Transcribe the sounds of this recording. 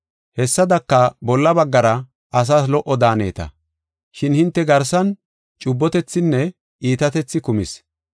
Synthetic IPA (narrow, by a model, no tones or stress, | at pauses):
hɛsːɐd̪ɐkːɐbɔlːɐbɐɡːɐɾɐ | ɐs̬aːs̬lɔʔɔd̪aːne̞̰ːt̪ɐ̰ | ʃɪnhɪnt̪ːɛɡɐɾsɐn | t͡ʃʼʊbːɔt̪ɛt͡sːɪnːɛ | iːt̪ɐt̪ɛt͡sːɪkʊmɪs